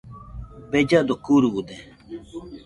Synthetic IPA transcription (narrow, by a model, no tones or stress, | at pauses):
bed͡ʒad̪okuːɾuud̪e